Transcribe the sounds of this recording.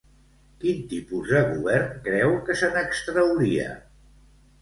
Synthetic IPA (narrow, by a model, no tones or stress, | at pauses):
kint̪ipuzəɣuβɛɾnkɾɛwkəsənəkst̪ɾəwɾiə̰